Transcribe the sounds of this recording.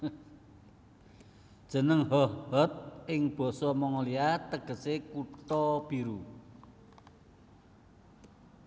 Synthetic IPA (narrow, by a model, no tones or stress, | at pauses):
d̥ʒ̥ə̤nəŋɦɔhhɔt̪̚ʔɪŋb̥ɔ̤sɔmɔŋɔliat̪əɡ̥ə̤sekut̪ɔb̥iɾu